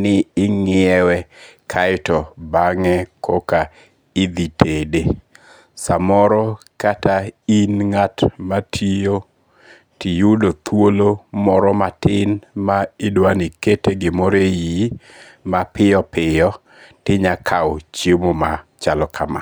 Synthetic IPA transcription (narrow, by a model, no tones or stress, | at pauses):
nɪɪŋɪɛwɛkʰaɪtɔbaŋɛkʰɔka | id̪itʰede | samɔɾɔkatainŋatmatʰio | tijudot̪ʰwolomɔɾɔmatɪnmaɪdwaniketeɡɪmɔɾeji | mapɪjɔpɪjɔ | tɪɲakʰawt͡ʃjemomat͡ʃalɔkʰama̰